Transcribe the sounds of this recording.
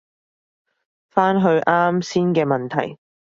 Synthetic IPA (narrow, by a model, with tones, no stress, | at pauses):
faː˥nɦɵ˧ɥʔaː˥msiː˥nkɛː˧mɐ˨nt̪ʰɐ˨˩j